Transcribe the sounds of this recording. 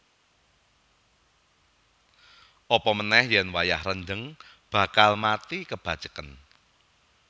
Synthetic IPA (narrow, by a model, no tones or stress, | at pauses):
ʔɔpɔmənɛhjɛnwajahrənd͡ʒəŋ | b̥ä̤kalmat̪ikəb̥a̤̥t͡ʃə̥kən